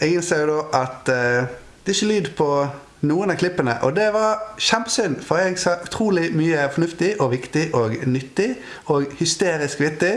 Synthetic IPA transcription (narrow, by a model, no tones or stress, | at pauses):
ɛɡɪnsɛjʊd̪oːʔɑt̪ | d̪̥ɛɪçːəlyːd̪pʰɔ | nuːənɑkʰlɪpːənə̰ʔɔd̪ɛʋɑɾʃæmpə̥sʏnfɔɾɛɡsɑʔʉt̪ʰɾuːlɪmyːəfɔɳʉft̪ɪʔɔʋɪkt̪ɪʔoːɡnʏt̪ːɪ | oːɡhʏst̪eːɾɪskʋɪk̚t̪ːɪ